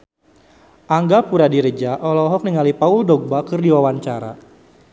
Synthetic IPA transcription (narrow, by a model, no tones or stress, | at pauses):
ʔaŋɡapuɾadiɾəd͡ʒaʔɔlɔɦɔk̚niŋalipaʊldɔɡ̚bakɨrdiwawaɲt͡ʃaɾa̰